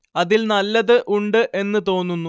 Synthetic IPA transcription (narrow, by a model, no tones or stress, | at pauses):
ɐðilnɐlːɐðɨʔuɳɖɨʔe̞nːɨt̪o̞ːnːunːu